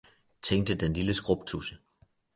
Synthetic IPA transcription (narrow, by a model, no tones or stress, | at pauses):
t͡sʰeŋ̰d̥əd̥enliləsɡ̥ʁob̥̚t͡sʰusə